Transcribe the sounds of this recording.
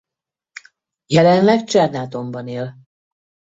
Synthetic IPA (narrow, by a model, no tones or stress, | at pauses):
jɛlɛnlɛkt͡ʃɛrnaːt̪o̞mbɒneːl